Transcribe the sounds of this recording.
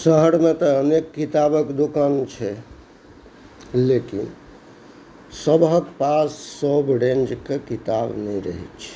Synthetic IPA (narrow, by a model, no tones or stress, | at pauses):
səɦəɾmet̪ɔənekːit̪abəkd̪okant͡ʃʰɛ | lekḭn | səbɦət̪pasːəbɾẽnd͡ʒkekit̪abnəjɾəɦɛ̰tt͡ʃʰɛ̥